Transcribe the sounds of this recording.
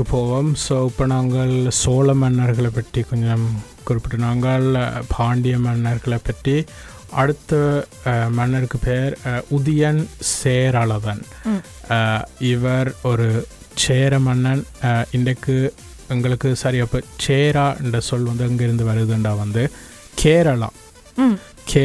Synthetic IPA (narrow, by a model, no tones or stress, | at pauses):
ɯpoːʋɐmsoːɪpːoːnaːŋɡɐɭsoːlɐmɐnːɐɾɣɐɭɐpːɐʈrikɔɲd͡ʒɐm | kʊɾɪpːɪʈːɯnaːŋɡɐɭpʰaːɳɖɪjɐmɐnːɐɾɣɐɭepːɐʈri | ɐɽɯt̪ːɐ | mɐnːɐɾɯkːɯpeːɾʊðɐjɐnseːɾaːɭɐðɐn | ɪʋɐɾɔɾɯ | t͡ʃeːɾɐmɐnːɐnɪnɖɐkːɯ | ɛŋɡɐɭɯkːɯsaːɾiɐpːoːt͡ʃeːɾaːɛɳɖɐsɔlːʋɐnd̪ɯɐŋɡɐɪɾɯnd̪ɯʋɐɾɯðɯɳɖaːʋɐnd̪ɯ | kʰeːɾɐɭã̰ː | kʰeː